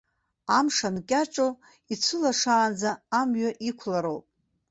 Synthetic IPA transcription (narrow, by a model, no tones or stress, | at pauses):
amʂankʲʼaʈ͡ʂʼo | it͡sʷʰɨlaʂaːnd͡zaːmɥaʔikʷʰlaɾowpʼ